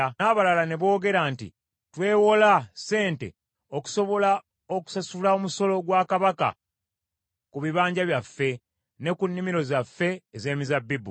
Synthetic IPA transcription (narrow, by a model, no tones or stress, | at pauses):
aːβalalane̞βo̞ːɡe̞ɾantḭ | twe̞ːwo̞lase̞ːnte̞̰ | o̞ku̥so̞βo̞la | o̞ku̥sasulao̞muso̞lo̞ɡwaːkaβaka̰ | kuβiβaːɲɟaβjafːe̞ | ne̞kunːimiɾo̞zafːe̞ːze̞ːmizabːibu